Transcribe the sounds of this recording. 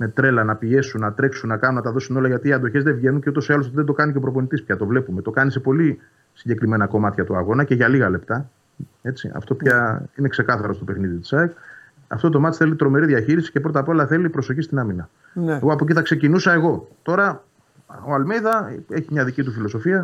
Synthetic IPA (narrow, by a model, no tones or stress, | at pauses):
me̞t̪ɾe̞lɐnɐpie̞sunnɐt̪ɾe̞ksunːɐkɐnunːɐt̪ɐðo̞suno̞lɐʝɐt̪iːɐnd̪o̞çe̞zðe̞vʝe̞nunceut̪̬osoɐlos̬ot̪iðend̪o̞kɐniceopɾo̞po̞nit̪ispçɐt̪o̞vle̞pume̞t̪o̞kɐnisepo̞li | siɲɟe̞kɾime̞nɐko̞mɐt̪çɐt̪uɐɣo̞nɐce̞ʝɐliɣɐle̞pt̪ɐ | e̞t͡sḭɐ̰ft̪opçaine̞kse̞kɐθɐɾo̞st̪o̞pe̞xniðit̪i̥sɐek | ɐ̰ft̪ot̪̬o̞mɐt̪isθe̞lit̪ɾo̞me̞ɾiðʝɐçiɾisi̥cepɾo̞t̪ɐpolɐθe̞lipɾo̞so̞çist̪inɐminɐ | eɣoɐpo̞c̬iθɐksecinusɐe̞ɣo̞t̪o̞ɾɐ | oalmejðɐe̞çimɲɐðicit̪ufilo̞so̞fiɐ